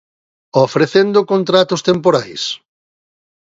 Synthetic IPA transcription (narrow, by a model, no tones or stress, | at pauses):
ofɾeθend̪ʊkont̪ɾat̪ʊst̪empoɾajs